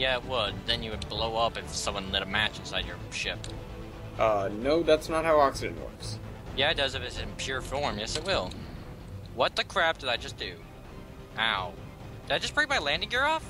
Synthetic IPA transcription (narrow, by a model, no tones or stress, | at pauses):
jæɪt̚wəd̪̚ðɨ̃njɨwɨd̚bloʊʌpɨfsʌ̃mwʌ̃nlɛɾəmæt͡ʃɨ̃n̩saɪd͡ʒə̰˞ʃɪp̚ | ʔʌnoʊðætsnət̚haʊɑksɨd͡ʒɨ̰̃nwʌ̰˞ks | jæɨt̚d̥ʌzɨfɨsɨ̃npʰj̥ʊɹfɔɹmjɛsɨt̚wɪlˠ | wʌt̪̚ðɨkʰɹ̥æp̚d̥ɨðɨɪ̥d͡ʒ̥ʌsd̥ʉ | ʔaʊ | d̥ɨðɨɪdd͡ʒ̥ʌspʰɹɪɾibaɪlæ̃ndɪ̃ŋjə˞ɔf